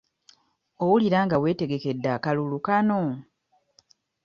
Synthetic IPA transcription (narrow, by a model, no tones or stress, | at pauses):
o̞wuliɾaːŋɡawe̞ːte̞ɡe̞ke̞dːakalulukano